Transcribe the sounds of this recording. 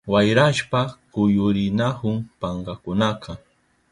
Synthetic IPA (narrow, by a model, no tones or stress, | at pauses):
wajɾaʃpakʊjʊɾɪnahʊŋpɑɴɢɑkʊnaqʰɑ